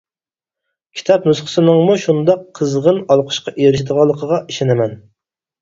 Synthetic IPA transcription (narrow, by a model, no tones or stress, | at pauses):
kʲʰi̥t̪ʰɑpnusqʰə̥sɨnɨŋmuʃund̪ɑqʰːəzʁənɑlˠqʰə̥ʃqɑʔeɾɪʃɪd̪əʁɑlˠːəqʰəʁɑʔiʃenɪmɛn